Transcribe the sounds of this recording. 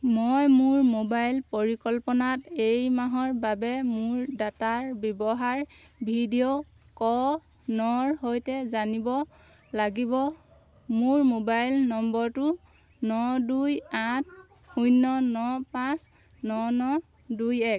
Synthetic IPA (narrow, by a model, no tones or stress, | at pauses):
mojmʊɹmobajlpoɹikɔlpɔnatejmaɦɔɹbabɛmʊɹdataɹbjɔbɔɦaɹ | bʱidio | kɔ | nɔɹɦojtɛzanibɔ | laɡibɔ | mʊɹmobajlnɔmbɔɹtʊ | nɔdujat̚ʰ | xujnɔnɔpãs | nɔnɔ | dujɛk̚